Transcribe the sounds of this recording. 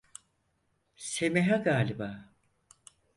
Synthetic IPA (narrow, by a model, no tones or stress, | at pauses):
semeɦaɡaːlʲibaː